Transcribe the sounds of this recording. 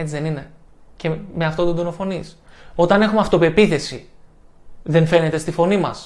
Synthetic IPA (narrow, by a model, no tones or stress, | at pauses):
et͡siðe̞nine̞ | ce̞me̞ɐft̪ot̪od̪ono̞fo̞niso̞t̪ɐne̞xumeɐft̪o̞pe̞piθe̞si | ðe̞nfe̞ne̞t̪e̞st̪ifo̞nimɐs